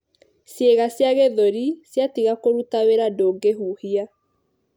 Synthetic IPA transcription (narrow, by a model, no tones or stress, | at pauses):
sjeɣasjaɣeðoɾisjatiɣakoɾutaweɾadoːɡeɦuːhia